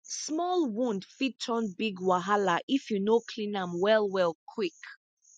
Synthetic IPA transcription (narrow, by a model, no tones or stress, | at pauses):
smɔlˠwũndfitʰːɔ̃nbiɡwaɦalaʔifjunokʰlĩnãmwɛlˠwɛlˠkʰwik